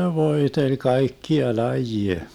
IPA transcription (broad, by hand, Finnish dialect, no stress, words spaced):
ʋoetelʲ kɑikːiɑ lɑjie